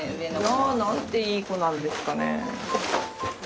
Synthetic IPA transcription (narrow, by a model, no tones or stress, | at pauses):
anãnt̪e̞iːko̞nãnd̪e̞sɨ̥kanḛ